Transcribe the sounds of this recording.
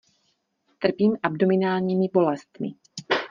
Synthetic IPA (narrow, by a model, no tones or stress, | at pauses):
t̪r̩piːmʔabdomɪnaːlɲiːmɪbo̞lɛst̪mɪ̰